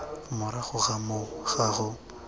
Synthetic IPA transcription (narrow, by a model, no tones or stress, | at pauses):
mʊɾaχʊɣamʊɣ̥aɣʊ